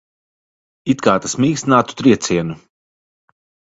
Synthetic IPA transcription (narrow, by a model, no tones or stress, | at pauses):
it̪kaːt̪asmiːksnaːt̪u̥t̪ɾiɛt̪siɛnu